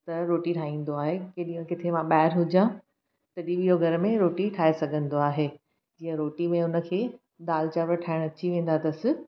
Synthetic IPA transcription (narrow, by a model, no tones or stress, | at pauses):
t̪ɐɾoːʈiʈʰaːĩːn̆d̪oaːɦekeɗiːə̃kɪt̪ʰemãɓaːɦɪɾɦʊd͡ʑã | t̪ɐɗiɓiɦoɡʱɐɾmẽɾoːʈiʈʰaːesɐɡʱə̃nd̪oaːɦeː | d͡ʑiːə̃ɾoːʈimẽʊnə̆kʰeː | ɗ̪aːlt͡ɕaːʋəɾʈʰaːɪɽ̃ɐt͡ɕiʋẽːn̆d̪at̪ɐsɪ̆